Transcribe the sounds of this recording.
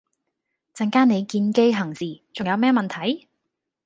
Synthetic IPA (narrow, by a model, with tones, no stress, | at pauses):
t͡sɐ˨ŋkaː˥ne˨˧jkiː˧nke˥jɦɐ˨˩ŋsiː˨t͡sʊ˨ŋjɐ˨˧wmɛː˥mɐ˨nt̪ʰɐ˨˥j